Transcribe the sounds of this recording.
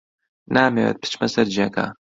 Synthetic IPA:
naːmewɛ̰t̪̚pʰɨ̥t͡ʃmɐsɐɾd͡ʒiaka̰

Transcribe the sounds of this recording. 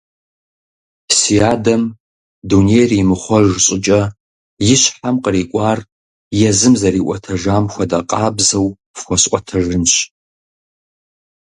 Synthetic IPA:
siaːdɐm | dunejriːmɨχʷɔʒɕʼɪt͡ʃʼɐ | jɪʃħamqʼəriːkʷʼaːr | jɛzɨmzɐriːʔʷʼɐtʰɐʒaːmxʷɐdaqʼaːbzɐw | fxʷɔsʔʷʼɔtʰɐʒɨnɕ

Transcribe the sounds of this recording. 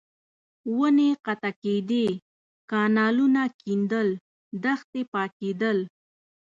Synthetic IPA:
wəneqat̪aked̪e | kɑnɑlunakind̪əl | d̪axt̪epɑked̪əl

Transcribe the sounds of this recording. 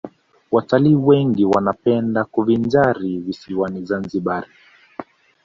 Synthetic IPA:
wataliːwɛŋɡiwanapɛndakuvind͡ʒaɾivisiwanizanziɓaɾi

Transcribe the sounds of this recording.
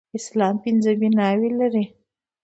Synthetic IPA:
ɪslɑmpɪnzəbinɑwelaɾi

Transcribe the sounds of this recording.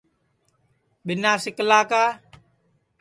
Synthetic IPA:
ɓɪnaːsɪkəlaːkaː

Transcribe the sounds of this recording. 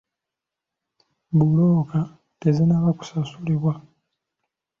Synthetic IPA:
buloːka | tezenaβaku̥sasuliβwa

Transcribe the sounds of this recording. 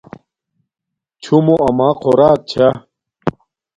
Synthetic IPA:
t͡ɕʰumoʔɐmaːqʰoɾaːk̚t͡ɕʰa

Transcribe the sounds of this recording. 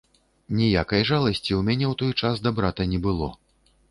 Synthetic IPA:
nʲijakɐjʐalˠɐsʲt͡sʲiwmʲanʲɛwt̪ɔjt͡ʂazd̪abɾat̪ɐnʲɛbɨlˠɔ̰

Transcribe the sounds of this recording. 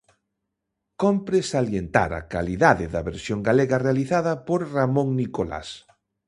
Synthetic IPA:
kompɾesaljent̪a̰ɾɐ̰kaliðaðɪðɐβeɾsjoŋɡaleɣɐrealiθaðɐpoɾramõŋnikola̰s

